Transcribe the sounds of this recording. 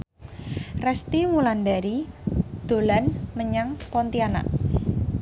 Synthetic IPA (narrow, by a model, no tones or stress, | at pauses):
rɛst̪imuland̪aɾid̪̥o̤lanməɲaŋpɔnt̪iana̰ʔ